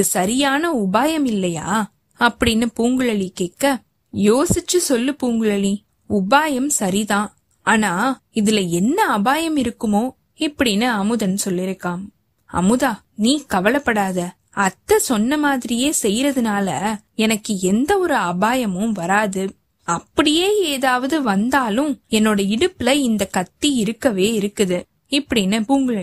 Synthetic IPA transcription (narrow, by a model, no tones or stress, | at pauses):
ɯsɐɾɪjaːnɐʊbaːjɐmɪlːɐja̰ː | ɐpːɐɽɪnːɯpuːŋɡɯɭɐlikeːkːɐ | joːsɪt͡ʃːɯsɔlːɯpuːŋɡɯɭɐli | ʊbaːjɐmsɐɾit̪ãː | aːnaː | ɪðɪlɐɛnːɐɐbaːjɐmɪɾɯkːɯmoː | ɪpːɐɽɪnːɯɐmɯðɐnːɯsɔlːɪɾɯkːaːm | ɐ̰mɯðaː | niːkɐʋɐlɐpːɐɽaːðɐ | ɐt̪ːɐsɔnːɐmaːðɪɾɪjeːsɛjɾɐðɯnaːlɐ | ɛnɐkːɯɛnd̪ɐɔɾɯɐbaːjɐmɯ̃ʋɐɾaːðɯ | ɐpːɐɽɪjeːeːðaːʋɐðɯʋɐnd̪aːlʊ̃ɛnːoːɽɐɪɽɯpːɪlɐɪnd̪ɐkɐt̪ːiɪɾɯkːɐʋeːɪɾɯkːɯðɯ | ɪpːɐɽɪnːɐʊŋɡɐɭ